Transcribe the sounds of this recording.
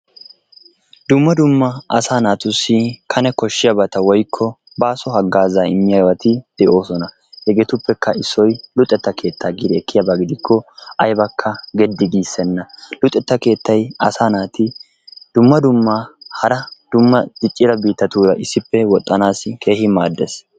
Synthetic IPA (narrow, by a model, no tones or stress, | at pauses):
d̪ʊmːɐd̪ʊmːɐɐsaːnaːt̪ʊsːɪkʰɐnɛkɔʃːɪjɐbɐt̪ɐwɔjkʰːɔ | baːsɔɦɐɡːaːzaːɪmːɪjawɐt̪ɪd̪̥ɛʔo̞ːsɔnɐ | hɛɡet̪ʊpːɛkʰːɐɪsːɔjlʊt̪ʼːɛt̪ːɐkʰe̞ːt̪ʰːaːɡɪd̪ɛkʰːɪjɐbaɡɪd̪ɪkʰːɔʔɐjbɐkʰːɐɡɛd̪ːɪɡ̪iːsːɛnːɐlʊt̪ʼɛt̪ːɐke̞ːt̪ʰːɐjɐ̰saːnaːt̪ɪ | d̪̥ʊmːɐd̪ʊmːahɐɾɐd̪̥ʊmːɐd̪̥ɪt͡ʃʼːɪɾɐbiːt̪ːɐt̪uːɾɐʔɪsːɪpːɛwɔt̪ʼːɐnaːsɪke̞ːhɪmaːd̪ːɛs